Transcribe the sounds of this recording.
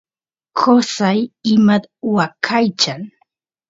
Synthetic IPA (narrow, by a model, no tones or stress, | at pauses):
kʰosajɪmad̪wakʰajt͡ʃaŋ